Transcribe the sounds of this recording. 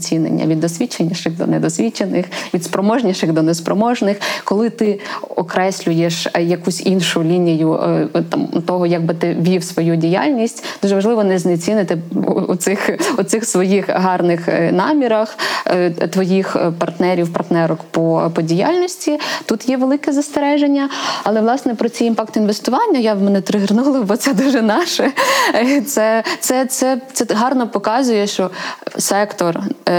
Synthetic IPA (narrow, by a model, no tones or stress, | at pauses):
t͡sʲinḛnʲːɐ̰ʋʲid̪ːɔsʲʋʲit͡ʃːenʲːɐʃɪxd̪ɔ̰nɛd̪ɔsʲʋʲit͡ʃenɪxʋʲid̪spɾɔmɔʒnʲɐʃɪxd̪ɔnɛspɾɔmɔʒnɪxkɔlˠɪt̪ɪɔkɾɛsʲlʲʊjeʃjɐkusʲinʃʊlʲinʲijʊt̪ɑmt̪ɔɦɔjaɡ̚bɪt̪ɪʋʲiwsʋɔjudʲija̰lʲnʲisʲtʲd̪uʒɛʋɐʒlˠɪʋɔnɛzʲnet͡sʲinɪt̪ɪṵt̪ɪxut̪sɪxsʋɔjixɦɑrnɪxnɑmʲiɾɐx | t̪ʋɔjixpɐrt̪nɛɾʲiwpɐrt̪nɛɾɔkpɔpɔdʲija̰lʲnʲɔsʲtʲit̪ut̪jɛʋelˠɪkɛzɐst̪eɾɛʒenʲːɐɐlˠɛʋlˠɑsnɛpɾɔt͡sʲijinfɑkt̪inʋest̪ʊʋɑnʲːɐjawmɛnɛt̪ɾɪɦɪrnulˠɐbɔt̪sɛd̪uʒɛnɑʃɛ | t̪sɛt̪sɛt̪sɛt̪ɛɦɑrnɔpɔkɑzʊjɛʃt͡ʃɔsɛkt̪ɔr